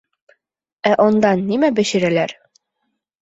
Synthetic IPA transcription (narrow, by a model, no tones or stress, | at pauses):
æʔɒnd̪ɑnːimæbɘ̆ɕɘ̆ɾælæɾ